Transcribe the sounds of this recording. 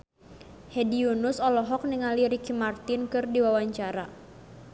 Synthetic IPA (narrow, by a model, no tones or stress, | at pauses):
hediunusɔlɔɦɔk̚niŋaliɾikimart̪ɪnkɨrdiwawaɲt͡ʃaɾa